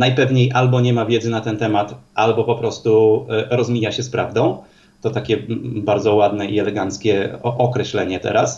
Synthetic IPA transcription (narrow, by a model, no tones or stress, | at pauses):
najpɛvɲejʔalbɔɲɛmavʲjɛd̪zɘnat̪ɛnt̪ɛmat̪ʔalbɔpɔpɾɔst̪uɾɔzmʲijaɕɛspɾa̰vd̪ɔ̃w̃ | t̪ɔt̪akʲɛbaɾd̪zɔwad̪nɛiɛlɛɡant̪skʲɛʔɔkɾɛɕlɛɲɛt̪ɛ̰ɾas